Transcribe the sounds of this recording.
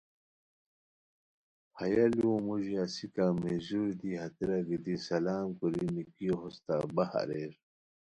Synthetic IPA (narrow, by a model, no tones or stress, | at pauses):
hɐjaliõmuʑiasikamezuɾd̪iɦɐt̪iɾaɡid̪isɐlaːmkuɾinikiɦost̪a̰ːbɐha̰ɾeːɾ